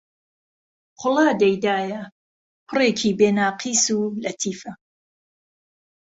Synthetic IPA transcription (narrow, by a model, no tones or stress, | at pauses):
qʰʊlˠaːd̪ɐjd̪aːjɐ | pʰʊreːkʰiːbeːnaːqʰiːsuːlɐt̪ʰiːfɐ